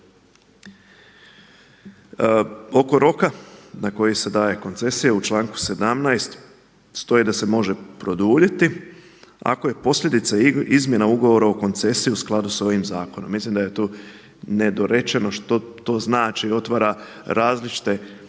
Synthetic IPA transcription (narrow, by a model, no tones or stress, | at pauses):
o̞ko̞ɾo̞kanako̞jise̞d̪aːje̞ko̞nt̪se̞sijaut͡ʃlˠaːŋku̥se̞d̪amnajst̪ | st̪o̞jid̪ase̞mo̞ʒe̞pɾo̞d̪uːʎet̪i | a̰ko̞je̞po̞sʎʲe̞d̪it̪saizmje̞nauɡoʋo̞ɾaoko̞nt̪se̞sijiusklˠad̪uso̞ʋimzaːko̞no̞mːislimd̪aje̞t̪oː | ne̞d̪o̞ɾe̞t͡ʃe̞no̞ʃt̪ot̪o̞ːznaːt͡ʃio̞t̪ʋaɾa | ɾaːzlit͡ʃi̥t̪e̞